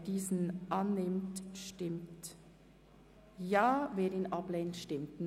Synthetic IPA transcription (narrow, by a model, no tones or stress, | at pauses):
d̥iːzn̩ʔɑnːɪmtʃtɪmt | jaːveːɾinʔɑbleːntʃtɪmtn